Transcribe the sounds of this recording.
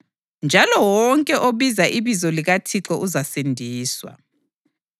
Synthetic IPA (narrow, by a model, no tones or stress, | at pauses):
nd͡ʒʱalɔwɔŋkʼɛʔoβizaʔiβizɔliɣatʰiǁɔʔuzasendʱiːswa̰